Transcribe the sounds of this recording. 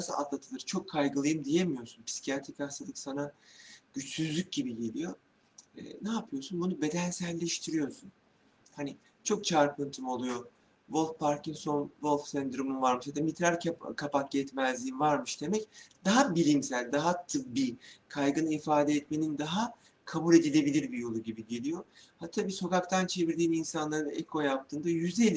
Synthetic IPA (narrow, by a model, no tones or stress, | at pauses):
asɯa̰t̪lˠat̪ʰɯlˠɯɾt͡ʃʰo̞kʰːajɡɯlˠɯjɯmd̪ije̞mijo̞ɾsunpʰi̥si̥cʰijat̪ʰikasalˠɯksanaɟ̥yt͡ʃsyzlʲyc̚ɟibiɟe̞lʲijo | ɛ̰ːnaːpʰɯjo̞sunbunube̞d̪ænsælʲːɛʃt̪ʰiɾijo̞sun | hani | t͡ʃʰo̞k̚t͡ʃʰaɾpɯnt̪ʰɯmo̞lˠujo̞ | volˠfpʰaɾcinso̞nvo̞lʲˠfsɛnd̪ɾumunvaɾmɯʃhad̪amit̪ɾaɾʰkʰapakɟɛt̪mæzlʲiːinvaɾmɯʃd̪e̞mɛcd̪aɦabilʲimsælʲd̪aɦat̪ʰɯp̚bikʰajɡɯnɯifaːd̪eɛt̪me̞nind̪aɦa | kʰabulʲe̞d̪ilʲe̞bilʲiɾbijo̞lˠuɟibiɟe̞lʲijo̞hat̪ʰːabiːso̞kakt̪ʰant͡ʃʰe̞viɾd̪iːminsanlˠaɾɯnḛkʰo̞jap̚t̪ʰɯːnd̪ajyzelʲ